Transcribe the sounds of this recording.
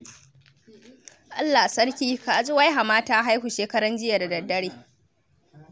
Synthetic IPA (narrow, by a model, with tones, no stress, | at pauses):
ʔa˦lːa˨a˨sɐ˦ɽkʲiː˦kaː˨ʔzʼʊ˦wa˦jɦa˨maː˦taː˦ɦa˦jhuː˨ʃeː˦kɐ˦ɽɐ˦nd͡ʒɪ˦ja˨da˨dɐ˨dːɐ˦ɽeː˦